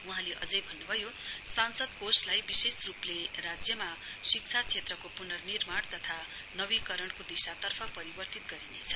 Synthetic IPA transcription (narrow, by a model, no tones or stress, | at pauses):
uɦãleʔʌ̰d͡zʌjbʱʌnːubʱʌjosansʌd̪koslajbisesrupleɾad͡zjʌmasikt͡sʰat͡sʰet̪rʌkopunʌrnirmaɽt̪ʌt̪ʰa | nʌbikʌɾʌɳkod̪isat̪ʌrpʰʌpʌɾibʌrt̪it̪ɡʌɾinet͡sʰʌ